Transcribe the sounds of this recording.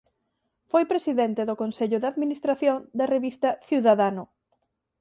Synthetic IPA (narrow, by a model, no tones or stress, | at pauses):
fojpɾesiðɛnt̪ɪðʊkonseʎʊðaðminist̪ɾaθjoŋd̪ɐreβist̪ɐθiwðaðanʊ